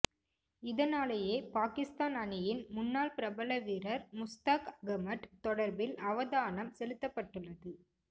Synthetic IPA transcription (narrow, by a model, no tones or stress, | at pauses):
ɪðɐnaːlɐjeːpaːkɪst̪aːnɐɳɪjɪnmʊnːaːɭpɪɾɐbɐlɐʋiːɾɐɾmʊst̪aːkɐɡɐmɐʈt̪ɔɽɐɾbɪlɐʋɐðaːnɐmsɛlɯt̪ːɐpːɐʈːɯɭːɐðɯ